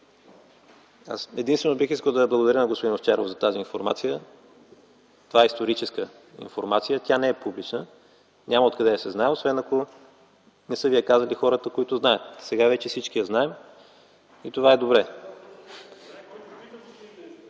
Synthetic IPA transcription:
a̰sɛd̪inst̪vɛnobixiskəlˠd̪ɐblˠɡod̪ɐɾʲjənɐɡospod̪inoft͡ʃɛɾo̰fzɐt̪aziːnfoɾma̰t̪sijə | t̪ovaɛist̪oɾit͡ʃɛskə | ḭnfoɾmat̪sijət̪ʲanɛɛpublit͡ʃnə | ɲʲaməot̪̚kɐd̪ɛsɛznaɛosvɛnɐko | nɛsɤviɛkazɐlixɔɾət̪əkoit̪ʊznaət̪sɛɡavɛt͡ʃɛsit͡ʃk̟ijɐznaɛm | it̪ovaɛd̪obɾɛ

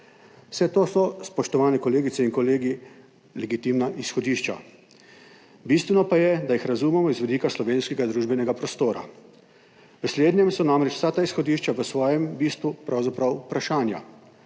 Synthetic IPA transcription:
sɛt̪oːsɔspɔʃt̪ɔʋaːnɛkɔleːɡit̪sɛinkɔleːɡi | lɛɡit̪imnaʔisxɔd̪iːʃt͡ʃa̰ | bist̪ʋɛnɔpajɛd̪ajixɾazuːmɛmɔizʋɛd̪iːkaslɔʋeːnskɛɡad̪ɾuːʒbɛnɛɡapɾɔst̪oːɾa̰ | ʋəsleːd̪njɛmsɔnamɾɛt͡ʃw̥sat̪aisxɔd̪iːʃt͡ʃaʋəsʋɔːjɛmbiːst̪ʋupɾʔawzapɾawpɾaʃaːnja̰

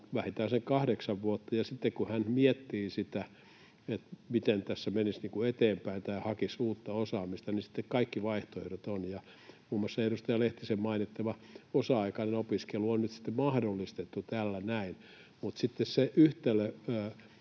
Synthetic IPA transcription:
ʋæhit̪æːnseŋkɑhdeksɑʋʋuot̪ːɑjɑsit̪ːekkuhænmiet̪ːiːsit̪æ | et̪mit̪ent̪æsːæmenisniːŋkuet̪eːmpæint̪ɑihɑkisuːt̪ːɑosɑːmist̪ɑnisi̥t̪ːekkɑikːiʋɑiht̪oḛhrot̪onjɑ | muːmːosːɑeɾust̪ɑjɑleht̪isemmɑinit̪ːɑʋɑosɑɑikɑnenopiskeluonnyt̪si̥t̪ːemɑhdolːist̪et̪ːut̪ælːænæin | mut̪sit̪ːesseʔyht̪elːˑøː

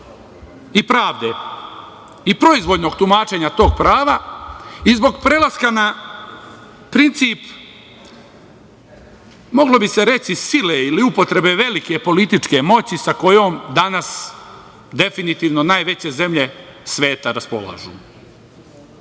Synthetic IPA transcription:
ipɾaːʋd̪e | ipɾo̞izʋo̞d̪no̞ɡ̚t̪umaːt͡ʃe̞ːɲat̪o̞ːɡ̚pɾaːʋa | izbo̞ɡpɾe̞lˠaskana | pɾint̪siːp | mo̞ɡlo̞bise̞ɾe̞t͡ʃ̪isileiliupo̞t̪ɾe̞be̞ʋe̞like̞po̞lit̪it͡ʃke̞mo̞t͡ɕisako̞jo̞ːmd̪anas | d̪e̞finit̪iːʋno̞naːjʋe̞t͡ɕe̞ze̞mʎe̞sʋe̞ːt̪aɾaspo̞̰la̰ʒṵː

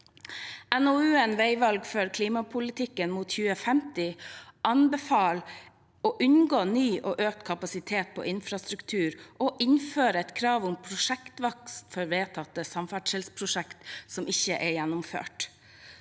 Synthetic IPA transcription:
ɛnɔʉːɛnʋeɪʋɑlɡføːɾkʰliːmɑpʰʊlɪt̪ʰɪkːənmuːt̪çʉːəfɛmt̪ɪʔɑnbɛfɑːl | oːʔʉnɡoːnyːʔoːʔøːk̚t̪kʰɑpɑsɪt̪ʰeːt̪̚pʰo̰ːʔɪnfɾɑst̪ɾʉkt̪ʰʉːɾʔɔʔɪnføːɾəɛt̪kʰɾɑːʋʊmpʰɾʊʂɛkt̪ʋɑkst̪fɔɾʋeːt̪ʰɑt̪ːəsɑmfæɖʂɛlspʰɾʊʂɛkt̪sɔmʔɪçəʔɛjænːʊmfø̰ːʈ

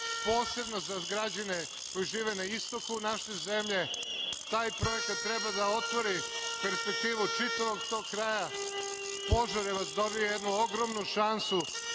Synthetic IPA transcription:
po̞ːse̞bno̞zaɡɾad͡ʑane | ko̞jiʒiːʋenaist̪o̞kunaʃeze̞mʎe̞ | t̪aːjpɾo̞je̞kat̪ːɾe̞bad̪ao̞t̪ʋo̞ɾipe̞ɾspek̚t̪iːʋut͡ʃit̪aʋo̞ɡt̪o̞ɡkɾaːja | po̞ʒaɾjeʋasd̪o̞bijojed̪nuo̞ɡɾo̞mnuʃansu

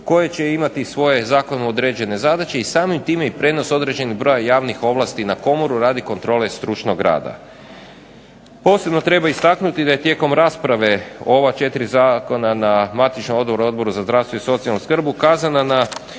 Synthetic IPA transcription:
ko̞jet͡ɕe̞imat̪isʋo̞je̞zaːko̞nuod̪ɾe̞ːd͡ʑe̞ne̞zad̪at͡ʃe̞isaːmimt̪iːmeipɾe̞ːno̞so̞d̪ɾe̞d͡ʑe̞niɣbɾo̞jajaːʋnixo̞ʋlˠast̪inako̞moɾuɾaːd̪iko̞nt̪ɾo̞ːle̞st̪ɾut͡ʃnoɡɾa̰ːd̪a̰ | po̞ːsebno̞t̪ɾe̞baist̪aknut̪id̪aje̞t̪je̞ːko̞mɾaːspɾaʋe̞o̞ʋat͡ʃe̞t̪iɾizaːko̞nanamat̪it͡ʃnomo̞d̪boɾo̞d̪bo̞ɾuzazd̪ɾaʋst̪ʋoiso̞t̪sijalnuskr̩bukaːzanana

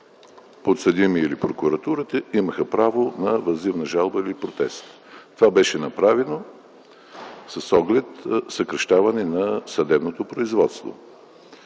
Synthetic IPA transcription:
pot̪sɐd̪imiilipɾokuɾɐt̪uɾət̪əiməxəpɾavonɐvɐzivnəʒalˠbəilipɾot̪ɛst̪ | t̪ovabɛʃɛnɐpɾavɛno | sɐsɔɡlɛt̪sɐkɾɐʃt̪avɐnɛnɐsɐd̪ɛbnot̪opɾoizvɔt̪st̪vo̰

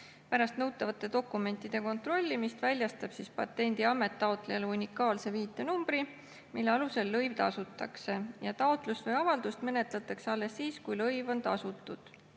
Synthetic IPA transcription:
pæɾɑst̪nɤwt̪ːˑɑvɑt̪ˑːe̞d̪o̞kːˑume̞nt̪ˑːid̪̥e̞ko̞nt̪ro̞lʲːimist̪vælʲjɑst̪ɑb̥sispɑ̰t̪ːˑe̞nʲd̪̥iɑme̞t̪ːˑɑot̪ˑlejɑleunʲikːˑɑːlse̞viːt̪ːˑe̞numb̥ɾi | milːeɑluse̞lːɤjvt̪ɑsut̪ːˑɑkse̞jɑt̪ɑot̪ˑlust̪vɤjɑvɑld̪ust̪me̞ne̞t̪ˑlɑt̪ːˑɑkseɑlːe̞sːiːskujlɤjvo̞nt̪ɑsut̪ːˑud̪̥

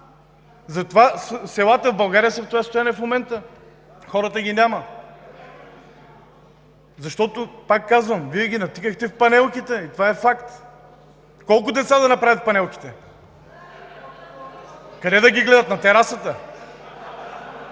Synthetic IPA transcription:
zɐt̪ovassɛlˠat̪əvbɐlˠɡaɾijəsəft̪ʊjast̪ʊjanɛfmomɛnt̪ə | xɔɾət̪əɡʲinʲamə | zɐʃt̪ɔt̪ʊpakːazvəmviɛɡʲinɐt̪ikəxt̪ɛfpɐnɛlˠkit̪ɛit̪ovaɛfakt̪ | kɔlˠk̬ʊd̪ɛt̪sad̪ɐnɐpɾavʲət̪̚pɐnɛlˠkʲi̥t̪ɛ | kɐd̪ɛd̪ɐɡʲiɡlɛd̪ɐt̪nɐt̪ɛɾasət̪ə

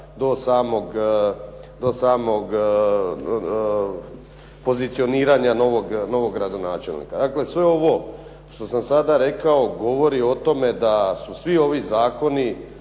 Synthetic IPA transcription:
d̪o̞saːmoɡ | d̪o̞saːmo̞ɡ | po̞zit̪sio̞niːɾaɲano̞ʋoɡno̞ʋo̞ɡɡɾad̪o̞naːt͡ʃe̞lnḭkad̪akle̞sʋe̞o̞ʋo | ʃt̪o̞samsad̪aɾe̞kao̞ɡo̞ʋo̞ɾio̞t̪o̞me̞d̪asusʋioʋizaːko̞ni

